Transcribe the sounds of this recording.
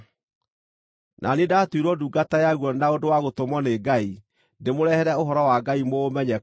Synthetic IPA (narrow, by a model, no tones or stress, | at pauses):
nʔa̰nidaːtwiɾwɔduːɡatajaɣwɔnaodowaɣotomɔneɡai | ndemoɾɛhɛɾɛoɦɔɾɔwaɡaimoːmɛɲɛ